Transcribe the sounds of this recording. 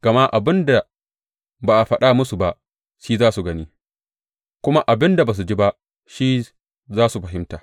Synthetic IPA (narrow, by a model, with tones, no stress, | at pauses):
ɡ̥ɐ˨ma˦ʔa˨bɪ˦nda˨ | baː˨ʔa˨ɸɐ˦ɗa˦mʊ˦su˨ba˦ʔ | ʃiː˦zaː˦su˨ɡɐ˦niː˦ | kʷʊ˦ma˦ʔa˨bɪ˦nda˨ba˨s̬u˨d͡ʒi˦ba˦ʔ | ʃiː˦ | zaː˦su˨ɸɐ˨ɦɪ˦mtaː˨